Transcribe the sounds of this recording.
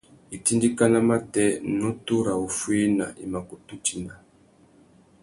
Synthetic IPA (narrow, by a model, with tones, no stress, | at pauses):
i˨ti˦ndi˦ka˦na˦ma˦tɛ˦nu˦tu˦ɾa˨u˨fwi˦na̰˨ʔi˨ma˨ku˨tu˦t͡ʃi˨na˨